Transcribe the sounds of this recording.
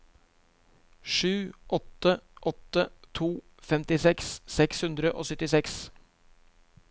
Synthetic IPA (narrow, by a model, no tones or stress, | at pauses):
ʂʉːʔɔt̪əʔɔt̪ːət̪ʰuː | fɛmt̪ɪsɛksːɛkshʉnd̪ɾəʔo̰ːsœt̪ɪsɛks